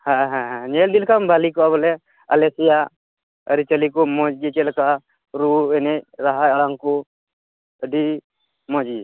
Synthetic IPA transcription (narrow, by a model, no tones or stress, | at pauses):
haɦãɦãɲɛld̪ilkambalikɔaβɔlɛ | a̰lɛsija | əɾit͡ʃəlikɔmɔd͡ʒd͡ʒit͡ʃɛlkaʔ | ɾuɛnɛɾaɦajɔɽaŋkɔ | əɖi | mɔd͡ʒi